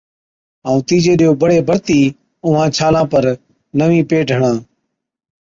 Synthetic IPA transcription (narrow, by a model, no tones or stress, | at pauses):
əũːt̪iːd͡ʒeːɗɪjoːbəɽeːbəɽt̪iː | ʊʋãːt͡ʃʰaːlãːpəɾ | nəʋĩːpeːʈəɳãː